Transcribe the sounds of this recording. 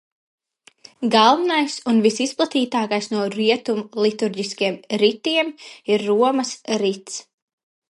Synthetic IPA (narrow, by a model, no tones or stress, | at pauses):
ɡalˠvinajsunvisisplˠat̪iːt̪aːkajsnuɔɾiɛt̪umlˠit̪uɾɟiskiɛmɾit̪iɛmiɾːuɔmɐsɾit̪s